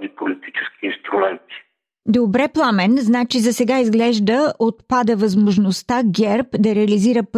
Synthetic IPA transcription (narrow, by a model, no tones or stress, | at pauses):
d̪ipolit̪i̥t͡ʃɛ̥skʲiinst̪ɾumɛnt̪i̥ | d̪obɾɛplˠamɛnznat͡ʃizɐsɛɡaizɡlɛʒd̪əʔot̪pad̪əvɐzmoʒnost̪aɡʲɛɾpd̪ɐɾɛɐliziɾəp